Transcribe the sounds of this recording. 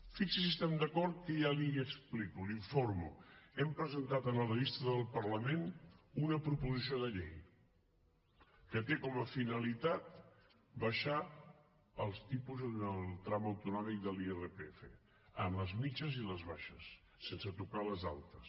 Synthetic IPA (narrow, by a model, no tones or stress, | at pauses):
fiksəsiəst̪ɛmd̪əkɔɾt̪̚kəjaliəksplikuliɱfoɾmṵɛmpɾəzənt̪at̪ənərəβist̪əðəlˠpəɾləmenunəpɾupuzisioðəʎḛj | kət̪ekɔməfinəlit̪at̪ | bəʃa | əlˠst̪ipuzənəlˠt̪ɾaməwt̪unɔmik̚d̪əlierepefə̰ | ənləzmit͡ʃəziləzβaʃəsː | ensət̪ukaləza̰lˠt̪əs